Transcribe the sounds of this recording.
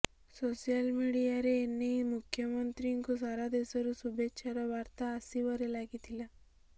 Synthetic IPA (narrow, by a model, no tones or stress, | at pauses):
sosijalmiɽijaɾeːnːemukʰːjəmɔnt̪ɾiŋkus̬aɾad̪esɔɾusubetːʃʰaɾɔʋaɾt̪aːsiʋɔɾelaɡit̪ʰila